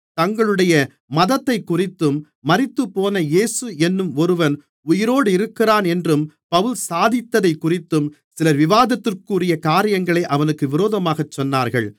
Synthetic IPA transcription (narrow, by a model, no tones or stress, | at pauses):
t̪ɐŋɡɐɭɯɽɐjɐ | mɐðɐt̪ːɐɪkːʊrɪt̪ːɯmː | ɐrɪt̪ːɯpːoːnɐjeːsɯɛnːɯmɔɾɯʋɐn | ʊjɪɾoːɽɯɪɾɯkːɪraːnɛndrɯm | pɐʋɯlsaːðɪt̪ːɐðɐɪkːʊrɪt̪ːɯm | sɪlɐʋɪʋaːðɐt̪ːɪrkuːrɪjɐkaːɾɪjɐŋɡɐɭeʔɐʋɐnɯkːɯʋɪɾoːðɐmaːɣɐt͡ʃːɔnːaːɾɣɐɭ